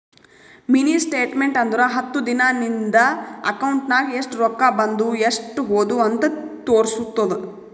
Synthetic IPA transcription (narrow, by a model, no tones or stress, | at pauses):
miniːsʈeːʈmeɳʈɐnd̪uɾɐɦɐt̪ːud̪inanind̪ɐɐ̰kɐwɳʈnaːɡieʂʈuɾɔkːaːbɐnd̪ueʂʈuɦoːd̪uɐnt̪ɐt̪oːɾsut̪ːɐd̪u